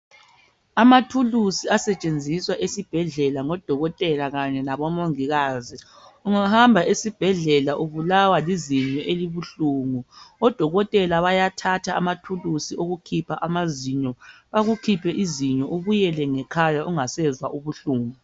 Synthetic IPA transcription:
amatʰulusiasɛt͡ʃʼend͡zʱiswaʔesib̥ʱɛɮɛlaŋɔd̥ʱɔɣɔtʼɛlaɣaɲɛnaβɔmoŋiɣaːzi | uŋahambʱaʔesib̥ʱɛɮɛlaʔuβulawaliziɲɔʔeliβuɬuːŋuɔd̥ʱɔɣɔtʼɛlaβajatʰatʰaːmatʰulusiʔoɣukʰipʰaʔamaziɲɔβaɣukʰipʰɛʔiziɲɔʔuβujɛlɛŋɛkʰajaʔuŋasɛzwaʔuβuɬuːŋu

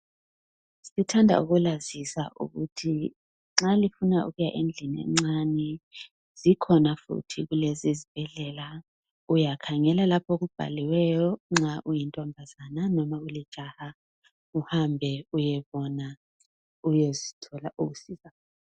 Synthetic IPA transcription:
sitʰandʱa̰ṵɣulazisa̰ʔṵɣutʰi | ŋ͡ǁalifunaʔṵɣujaʔend͡ɮʱiniɛ̰ŋ͡ǀanɛ | z̥ikʰɔnafṵtʰiɣulezizib̥ʱɛɮɛla | ujakʰaŋɛlalapʰok̬ub̥ʱa̰liwɛjɔŋ͡ǁaʔujintʼɔmbʱazananɔmauli̥ʒ̥ʱaha | uhambʱɛujɛβɔna | ujozitʰɔlaʔukusiːza

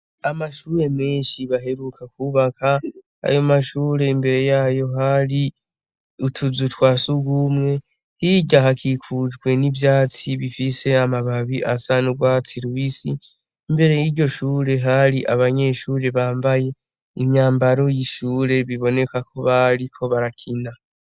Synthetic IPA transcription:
amaʃuːɾe̞meːnʃiβaɦe̞ɾukʰakuβaka | a̰jo̞maʃuːɾe̞imbe̞ɾe̞jaːjo̞ɦaɾi | utʰuzutwaːsuɡumŋe̞ | hiɟaɦakʰikʰud͡ʒɡwe̞nivjaːt͡siβifiseamaβaβiʔasanuɡwaːt͡siɾuwisiː | mbe̞ɾe̞jiɾɟo̞ʃuːɾe̞ɦaɾiʔaβaɲe̞ʃuːɾe̞βaːmbaje̞ | imɲaːmbaɾo̞jiʃuːɾe̞βiβo̞ne̞kakʰo̞βaɾikʰo̞βaɾakʰina

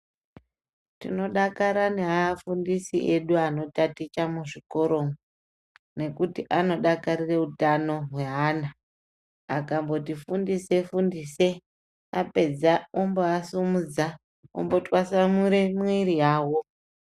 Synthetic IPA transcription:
tḭno̞ɗakaɾaneaːfundisiʔe̞ɗuano̞tatit͡ʃamuʐiko̞ɾo̞ | ne̞kutiʔano̞ɗakarire̞utano̞ɦwe̞ɦaːna | akambo̞tifundise̞fundise̞ | ape̞d͡zaomboasumud͡za | o̰mbo̞twasamuɾe̞mwiɾijaːwo̞

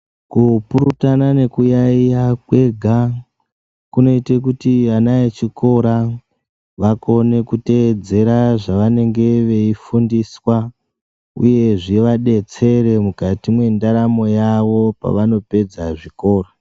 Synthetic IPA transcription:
kupuɾutanane̞kujaijakwe̞ɡʱa | kuno̞itek̬utianaet͡ʃiko̞ɾa | ʋako̞ne̞kute̞ːd͡ze̞ɾaʐaʋane̞ŋɡe̞ʋe̞ifundiswa | ṵje̞ʐiʋaɗe̞t͡se̞ɾe̞mukatimwe̞ndaɾamo̞jaʋo̞pa̰ʋano̞pe̞d͡zaʐiko̞ːro

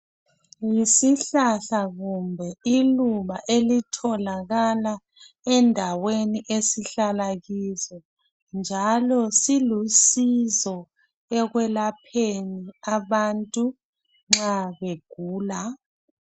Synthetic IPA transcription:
jisiɬaɬaɣumbʱɛiluβaʔelitʰɔlaɣala | ɛndʱaweniʔesiɬalaɣizɔ | nd͡ʒʱalɔsilusizɔ | ɛɣwɛlapʰeniaβantʼu | ŋ͡ǁaβeɡ̥ʱuːla

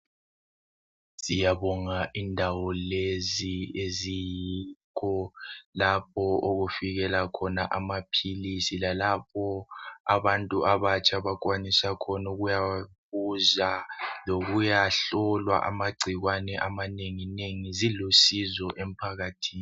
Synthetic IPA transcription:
sijaβɔŋaʔindʱawɔleziezijikʰɔlap̚ʰɔoɣufiɣɛlakʰɔnaʔamapʰilisilalap̚ʰɔa̰βantʼuʔaβat͡ʃʼʰaβakʼwanisakʰɔnuɣujaβuzaloɣujaɬɔlwa̰ʔa̰maɡ͡ǀʱiɣwanɛʔamaneŋineŋizilusizɔʔem̩pʰaɣatʰiːni

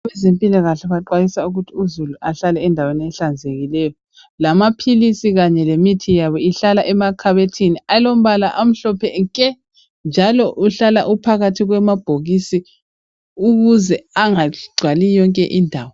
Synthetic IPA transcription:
βɛzempʼilaɣaɬɛβaǃwajisauɣutʰiuzuluʔaɬalɛːndʱaweniɛɬand͡zʱeɣilɛjɔ | lamapʰilisiɣaɲɛlemitʰijaβɔiɬalaʔɛmakʰaβetʰinialom̩βalaʔam̩ɬɔpʰɛŋkʼɛ | nd͡ʒʱalɔʔuɬala̰ʔupʰaɣatʰiɣwɛmab̥ʱoɣisi | uɣuzɛaŋaɡ͡ǀʱwalijɔŋkʼɛ̰ʔindʱaːwɔ

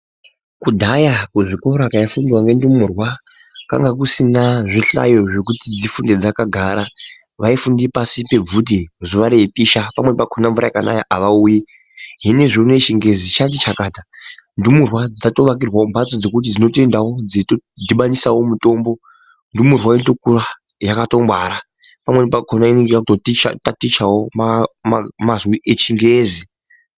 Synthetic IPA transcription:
kudʱajakuʐiko̞ɾakajafundiwaŋɡe̞ndumurwa | ka̰ŋɡak̬usinaʐiɬa̰jo̞ʐe̞k̬utid͡zifunded͡zakaɡʱaːɾa | ʋaifundipasipe̞b͡vutizuʋaɾejepiʃapamwe̞pakʰonaɱvuɾa̰jkana̰jaʔaʋauːji | ɦineʐoneʃiŋɡe̞zit͡ʃatit͡ʃakaːtandumurwad͡zato̞ʋak̬irwaombʱat͡sod͡ze̞kut̬id͡zino̞te̞ndawo̞d͡zetodʱiɓanisawo̞muto̞ːmbo̞ | ndumurwainto̞kuɾa | jakato̞mbwaːɾa | pamwe̞nepakʰonainiɡakutotit͡ʃa̰tatit͡ʃawo̞mamamazwiʔet͡ʃiŋɡezi

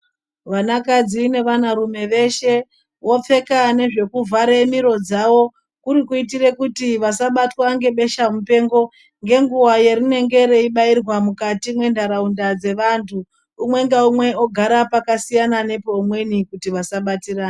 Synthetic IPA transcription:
ʋanakad͡zine̞ʋanaɾume̞ʋe̞ʃe̞ | wo̞p͡fe̞kane̞ʐe̞kuvʱaɾemiɾo̞d͡zawo̞ | kuɾikuit̬ire̞kutiʋasaɓatwaŋɡe̞ɓe̞ʃamupe̞ːŋɡo̞ | ŋɡe̞ŋɡuwajeɾine̞ŋɡe̞ɾe̞iɓairwamukatimwe̞ndaɾaundad͡ze̞ʋantʰuː | mwe̞ŋɡaumwe̞oɡʱaɾapakasijanane̞poːmwe̞nikutiʋasaɓatiraːna

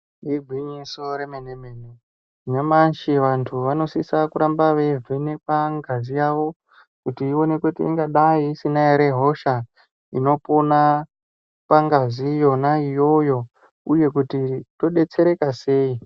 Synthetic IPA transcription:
iɡʱwiɲisoɾemeneme̞ːne | ɲamanʃiʋantʰuʋano̞sisakuɾambaʋe̞vʱene̞paŋɡazijaʋo̞ | kutiːo̞ne̞kutḭḭŋɡaɗaiːsinaeɾe̞ɦo̞ʃa | ino̞pona | paŋɡazijo̞naijo̞jo̞ | uje̞kutito̞ɗe̞t͡se̞ɾe̞kase̞ːi

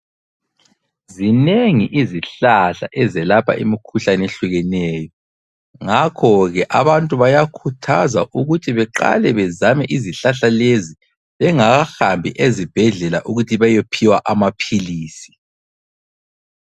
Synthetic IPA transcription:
zineŋiʔiziɬaɬa̰ʔɛzɛlapʰa̰ʔimikʰuɬaneɬuɣɛnɛːjɔ | ŋakʰɔɣɛʔaβantʼuβajakʰutʰaza̰ʔuɣutʰiβɛǃa̰lɛβɛzamɛʔiziɬaɬalezi | βɛŋaɣaxambʱiʔezib̥ʱɛɮɛlaʔuɣutʰiβajopʰiwaʔamapʰiliːsi̥

